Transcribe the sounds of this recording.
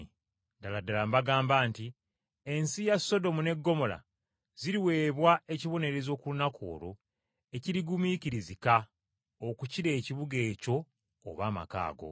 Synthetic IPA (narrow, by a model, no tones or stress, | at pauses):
daladalambaɡaːmbaːnti | e̞nsijasːo̞do̞mune̞ɡːo̞mo̞la̰ | ziɾiwe̞ːβwae̞ciβo̞ne̞ɾe̞zo̞ːkulunakʰo̞̰ːɾo̞ | e̞ciɾiɡumiciɾizika | okuciɾe̞ːciβuɡe̞ːco̞̰ː | βaːma̰ka̰ːɡo̞̰